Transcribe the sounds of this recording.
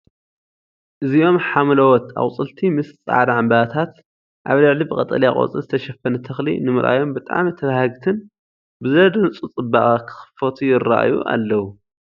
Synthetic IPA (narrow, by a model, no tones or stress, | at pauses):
ʔɨzio̞mħamlɐwɔt̪ʰa̰wʼt͡sʼɨlt̪ʰimɨst͡sʼa̰ʕd̪aʕambɐat̪ʰat̪ | ʔaβlɨʕlibɨkʼɐt̪ʼɐ̰lijakʼo̰t͡sʼɨzɨt̪ʰɐʃɐfɐnɐt̪ʰɐxlḭnɨmɨɾʔa̰jo̞mbɨt̪ʼa̰ʕmit̪ʰɐβahɐɡt̪ʰɨn | bɨzɐd̪ɨnt͡sʼut͡sʼɨbaʔʼakʰɨ̥xɨ̥fɐt̪ʰujɪra̰ʔjṵʔa̰lːɐwu